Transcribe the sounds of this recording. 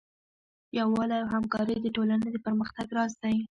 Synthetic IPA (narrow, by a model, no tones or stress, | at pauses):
jawɑlawhamkɑɾəjd̪əʈolaned̪əpəɾməxt̪aɡɾɑs̬t̪aji